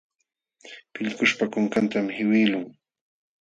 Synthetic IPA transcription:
pɪʎkʊʃpakoŋkant̪amhɪwɪːlʊŋ

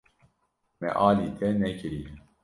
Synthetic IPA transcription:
mɛ̰ʔɑːliːt̪ʰɛnɛkɨɾiː

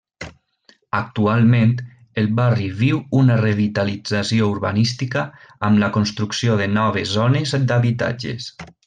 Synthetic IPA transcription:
ak̚t̪ualˠmẽnt̪ | elˠβariβiwunareβit̪alid͡zasiouɾβa̰nist̪ikəːmlakonst̪ɾuksjoðenɔβ̞ezonezd̪aβit̪a̰d͡ʒḛs

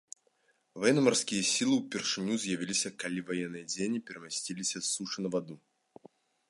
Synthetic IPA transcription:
vajɛnːɐmɐrskʲijɐsʲilˠɨwpʲɛrʂɨnʲuzjɐvʲilʲisʲɐkalʲivajɛnːɨjɐd͡zʲenʲipʲɛɾɛmasʲtʲilʲisʲɐsuʂɨnɐvad̪u

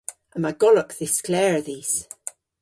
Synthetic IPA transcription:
ʔə̃maɡɔləkðɪsklɛɹðiz̥

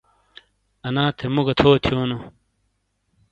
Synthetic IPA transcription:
ɐnãːt̪ʰemuɡɐt̪ʰoːt̪ʰjoːno

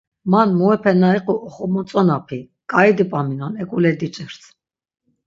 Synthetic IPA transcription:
manmuɛpʰɛnaiqʼuʔɔχɔmɔt͡sʼɔnapʰi | kʼaid̪ipʼaminɔnɛkʼulɛd̪it͡ʃʼɛɾt̪ʰ

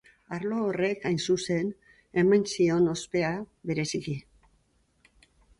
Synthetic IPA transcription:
aɾlo̞ːre̞kajnsuse̞n | e̞majnsio̞no̞spe̞aβe̞ɾe̞siki

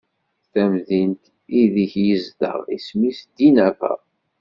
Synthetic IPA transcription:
θæmðint̪ | iðiçjəzd̪ə̰ʁḭsmisd̪inæfə̰

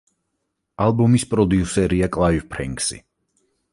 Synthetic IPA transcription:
alˠbɔmispʼɾɔd̪iusɛɾiakʼlˠaivpʰɾɛ̰ŋksḭ

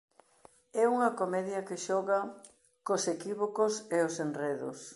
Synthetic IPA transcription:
ɛuŋɐkomɛðjɐkeʃɔɣɐ | kosekiβokoseosenreðʊ̰s

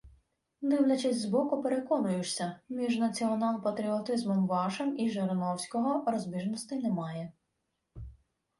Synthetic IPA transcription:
d̪ɪwlʲɐt͡ʃɪsʲzbɔkʊpeɾekɔnʊjʊt͡ʃsʲɐmʲiʒnɐt͡sʲiɔnɑlˠpɐt̪ɾʲiɔt̪ɪzmɛmbɑʃɐmiʒeɾenɔwsʲkɔɦɔɾɔzʲbʲiʒnɔst̪ɪjnɛmɑjɛ

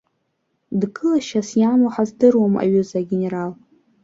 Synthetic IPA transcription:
dɡɨlaʃasjamuħazdɨrwama̰ɥʊzaɡʲeneɾal

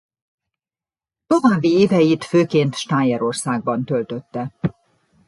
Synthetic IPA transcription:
t̪ovaːbːieːvɛjit̪føːkeːnt̪ʃt̪aːɲɛɾo̞rsaːɡ̚bɒnt̪ø̞lt̪ø̞t̪ːɛ

